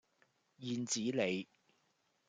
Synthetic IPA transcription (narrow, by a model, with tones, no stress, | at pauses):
jiː˧nt͡siː˨˥le˨˧j